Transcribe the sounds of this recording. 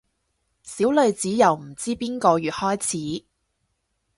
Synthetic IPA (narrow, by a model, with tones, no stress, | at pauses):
siː˨˥wlɵ˨˧ɥt͡siː˨˥jɐ˨˩wm̩˨˩t͡siː˥piː˥nkɔː˧jyː˨t̚hɔː˥jt͡sʰiː˨˦